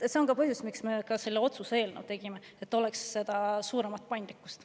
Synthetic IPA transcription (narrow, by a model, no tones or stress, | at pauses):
se̞o̞ŋkɑpɤhɦjusmiksme̞kɑse̞lːeo̞t̪susee̞ːlnewt̪e̞ɡ̥ime | et̪ːˑo̞lɛksːe̞d̪̥ɑsuːɾemɑt̪̚pɑjnd̪likːˑu̥st̪